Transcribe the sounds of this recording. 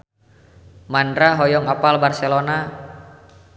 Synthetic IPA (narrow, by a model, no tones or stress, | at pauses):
mandɾaɦɔjɔŋapalbarsɛlona